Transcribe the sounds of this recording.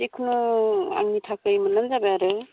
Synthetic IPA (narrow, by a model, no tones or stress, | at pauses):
ikʰɯnua̰ŋnitʰakɯjmalanzabejaɾɯ